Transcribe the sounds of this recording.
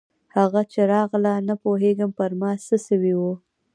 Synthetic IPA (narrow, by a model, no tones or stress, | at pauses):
haɣat͡ʃeɾɑɣlanapoɦeɡəmpəɾmɑsəsəwiwu